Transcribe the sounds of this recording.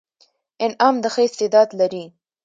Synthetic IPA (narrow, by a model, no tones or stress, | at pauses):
ɪnɑmd̪əxəɪst̪ɪd̪ɑd̪laɾi